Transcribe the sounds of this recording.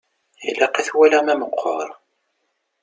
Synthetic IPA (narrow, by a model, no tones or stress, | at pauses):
ḭlːæqæθwælæmæməqʰːɔ̰ɾˤ